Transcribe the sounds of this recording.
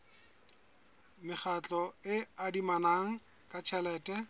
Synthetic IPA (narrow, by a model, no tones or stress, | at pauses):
mɪχat͡ɬʼɔɪadimanaŋ̩ | kʼat͡ʃʰɛlɛːtʼɛ